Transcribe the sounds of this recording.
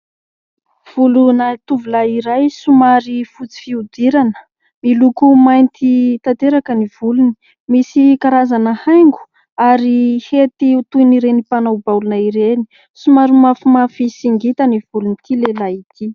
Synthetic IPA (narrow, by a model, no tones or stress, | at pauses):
v̥ulunat̪uvulaiɾajsumaɾifut͡si̥fiud̪iɾanə̥ | milukumajnt̪it̪at̪eɾakəniv̥uluni̥ | misikaɾazanəhajŋɡu̥ | aɾihet̪iut̪uiniɾenipanawbawlunəiɾeni | sumaɾimafumafisiŋɡit̪əniv̥ulunit̪ilelait̪ʰi